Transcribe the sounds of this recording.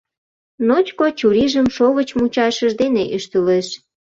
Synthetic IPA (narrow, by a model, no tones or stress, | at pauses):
not͡ɕkot͡ɕuɾiʒəmʃoɣət͡ɕmut͡ɕɑʃəʒd̪eneʔyʃt̪əleʃ